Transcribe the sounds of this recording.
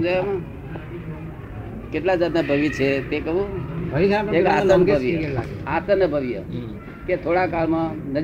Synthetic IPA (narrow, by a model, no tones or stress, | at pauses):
d͡ʒajamã | keʈlad͡ʒad̪nãbʱəʋit͡ʃʰet̪ekəɦũbəiekat̪ənbʱəʋijəat̪ənəbʱəʋjə | ket̪ʰoɽakalmãnəd͡ʒ